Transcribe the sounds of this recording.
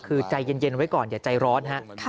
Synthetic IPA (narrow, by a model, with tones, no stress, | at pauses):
kʰɯː˧t͡ɕa˧jːe˧nje˧nwa˦˥jkɔː˨˩njaː˨˩t͡ɕa˧jɾɔː˦˥nɦa˦˥ʔt̪ʰaː˦